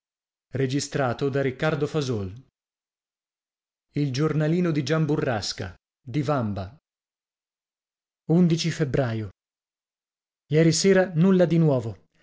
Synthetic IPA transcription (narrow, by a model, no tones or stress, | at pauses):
red͡ʒist̪ɾaːt̪od̪aɾikːard̪ofazol | ild͡ʒornaliːnod̪id͡ʒamburːaska̰ | d̪ivamba | und̪it͡ʃifebɾaːjo | jɛːɾiseːɾanulːad̪inwɔːvo